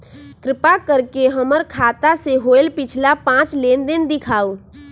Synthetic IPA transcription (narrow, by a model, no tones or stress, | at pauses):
kɾɪpakəɾkeɦəməɾkʰaːt̪aseɦoːɪlpɪt͡ʃʰlapãːt͡ʃleːnd̪ɪnd̪ɪkʰaːoː